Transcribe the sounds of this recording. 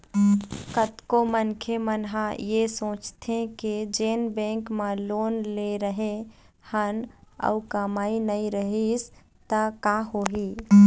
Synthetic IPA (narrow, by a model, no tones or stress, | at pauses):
kət̪komənkʰemənɦajesõːt͡ʃt̪ʰẽked͡ʒenbẽŋkmelonleɾəɦẽ | hənə̰ukəmainəiɾəɦis | t̪əkaɦoɦi